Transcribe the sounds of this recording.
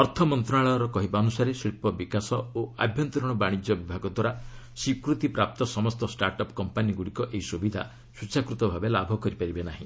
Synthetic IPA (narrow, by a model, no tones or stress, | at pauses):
ɔɾt̪ʰɔmɔnt̪ɾɔaɭɔɾɔkɔɦibaɔnusaɾesɾipɔbikasɔoa̰bʱjɔnt̪ɔɾɔɽ̃ɔbaɽ̃id͡ʒjɔbibʱaɡɔd̪waɾa | sikɾut̪ipɾap̚t̪ɔsɔmɔst̪ɔsʈaɾʈɔpkɔmpaniɡuɽikɔʔeɦisubid̪ʱa | sut͡ʃakɾut̪ɔbʱabelabʱɔkɔɾipaɾibenaɦĩ